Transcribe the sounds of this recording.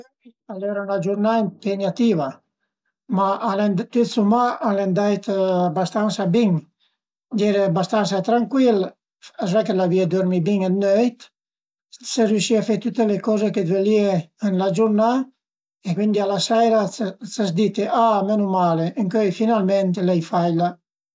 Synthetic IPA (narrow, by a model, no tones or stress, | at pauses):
ialɛɾanlad͡ʒuɾnaimpeɲat̪iva | maʔalɛnd̪t̪yt̪sumaalɛnd̪ajt̪bast̪ansabiŋ | d͡ʒɛɾebast̪ansat̪ɾaŋkwil | azvɛkelavied̪ɔɾmibiŋɛd̪nøjt̪ | seɾjuʃiafet̪ut̪ːelekɔzeked̪velieənlad͡ʒuɾna | ekwind̪ialasɛjɾat͡sasd̪it̪eʔamenumaleʔəŋkøjfinalmɛnt̪elɛjfajla